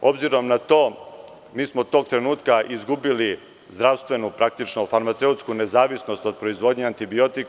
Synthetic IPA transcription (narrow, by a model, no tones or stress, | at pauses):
o̞bziɾo̞mnat̪o̞ː | miːsmo̞d̪t̪o̞ːɡ̚t̪ɾe̞nuːt̪kaʔizɡubili | zd̪ɾaʋst̪ʋe̞nupɾak̚t̪it͡ʃnofaɾmat̪se̞ut̪skune̞zaːʋisno̞st̪o̞d̪̚pɾoizʋo̞d̪ɲeant̪ibio̞t̪ik